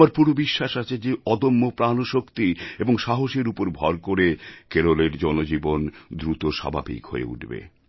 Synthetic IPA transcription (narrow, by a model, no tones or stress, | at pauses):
aɾpuɾobiʃːaʃat͡ɕʰed͡ʑeɔd̪omːopɾanoʃokt̪ieboŋʃaɦoʃeɾupoɾbʱɔɾkoɾekeɾoleɾd͡ʑɔnod͡ʑibond̪ɾut̪oʃa̰bʱa̰bḭkɦo̰ḛṵʈbḛ